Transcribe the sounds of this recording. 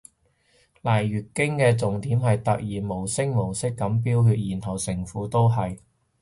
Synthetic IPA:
laː˨jɥyː˨t̚kɪ˥ŋkɛː˧t͡sʊ˨ŋt̪iː˨˥mhɐ˨jt̪ɐ˨k̚jiː˨˩mo˨˩wsɪ˥ŋ̚mo˨˩wsɪ˥kːɐ˨˥mp̬iː˥wɦyː˧t̚jiː˨˩nt̪ʰɐ˨˩wsɪ˨˩ŋfuː˨˥t̪o˥wɦɐ˨j

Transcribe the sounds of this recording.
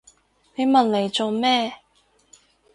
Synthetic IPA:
ne˨˧jmɐ˨nle˨jt͡so˨˧wmɛː˥

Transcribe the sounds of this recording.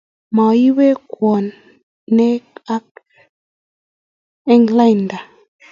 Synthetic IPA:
ma˨i˦we˦kwɔ˨nː | ɛ˦ka˦k̚ | ɛ˦ŋla˦˨nda˨

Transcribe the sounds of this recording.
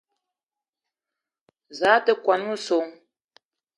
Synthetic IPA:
za˨˦tə˦kwa˨nu˦˨so˨˦ŋ

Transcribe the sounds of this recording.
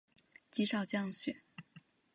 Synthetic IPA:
t͡ɕi˧˥ʂɑ˨˩ʊt͡ɕjɑ˥˧ŋɕɥɛ˨˩˦

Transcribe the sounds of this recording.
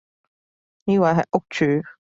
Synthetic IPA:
niː˦˥wa˨˧ɦɐ˨jʔʊ˥k̚t͡ʃʰyː˨˥

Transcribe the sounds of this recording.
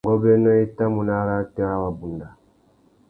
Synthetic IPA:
ɡɔ˦bɛ˦nɔ˦i˦ta˦mu˨na˦ɾa˦tɛ˦a˦wa˨bu˨nda˨

